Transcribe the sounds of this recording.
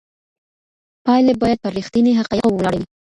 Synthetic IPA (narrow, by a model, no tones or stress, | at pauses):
pɑjlebɑjad̪̚pəɾixt̪iniɦaqɑjawwlɑɽawi